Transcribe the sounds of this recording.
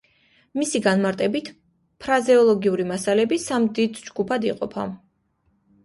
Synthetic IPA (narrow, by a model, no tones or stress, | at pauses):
misiɡanmaɾt̪ʼɛbit̪ʰ | pʰɾazɛɔlˠɔɡiuɾimasalɛbisamd̪id̪d͡ʒɡupʰad̪iqʼɔpʰa̰